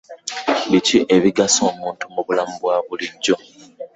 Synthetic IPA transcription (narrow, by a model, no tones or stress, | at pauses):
βiciʔe̞βiɡaso̞ːmuːntumuβulamuβwaːβuliɲɟo̞